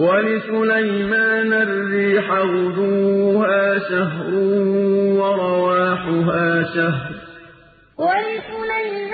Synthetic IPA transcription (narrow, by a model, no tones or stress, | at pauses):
walɪsʊlajmaːnarːiːħawʊd̪uːhaːʃaɦɾʊhːwɑɾˤɑwaːħʊɦaːʃaɦɾˤ | walɪsʊlajm